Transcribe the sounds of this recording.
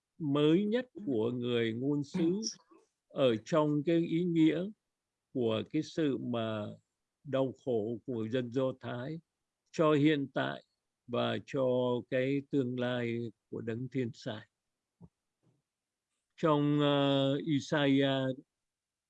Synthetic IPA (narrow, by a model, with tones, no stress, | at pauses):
məː˨˦jɲə˦˥t̚ku˧˩əŋɨ˨˩əjŋo˧nsɨ̰˧˥ | ʔəː˧˩t͡ɕɔ˧wŋ͡mkaː˨˦jʔi˨˦ŋḭ˧˥ə | ku˧˩əkaː˨˦jsɨ̰˧˨maː˨˩ | ɗa˧wxo˧˩ku˧˩ŋɨ˨˩jzə˧nzɔ˧t̪ʰaː˨˦j | t͡ɕɔ˧hḭ˧˨ənt̪a̰ː˧˨j | vaː˨˩t͡ɕɔ˧kaː˨˦jt̪ɨ˧əŋlaː˧jku˧˩əɗə˨˦ŋt̪ʰi˧ənsa̰ː˧˩j | t͡ɕɔ˧wŋ͡m | ʔi˧saː˧aː˧